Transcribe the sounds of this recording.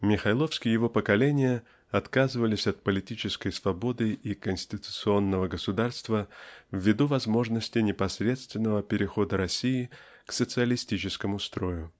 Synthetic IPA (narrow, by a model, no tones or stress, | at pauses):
mʲɪxɐjlˠo̞fskʲɪjɪvo̞pəkɐlʲenʲɪjə | ɐt̪kazɨvəlʲɪsʲɐt̪̚pəlʲɪtʲit͡ɕɪskəjsvɐbo̞d̪ɨʔikənsʲtʲɪt̪ʊ̥t̪sɨo̞nːəvəɡəsʊd̪arst̪vəvːʲɪd̪uvɐzmo̞ʐnəsʲtʲɪnʲɪpɐsʲɾʲe̞t̪st̪vʲɪnːəvəpʲɪɾʲɪxo̞d̪əɾɐsʲijɪ | ksət̪sɨəlʲɪsʲtʲit͡ɕɪskəmʊst̪ɾo̞jʊ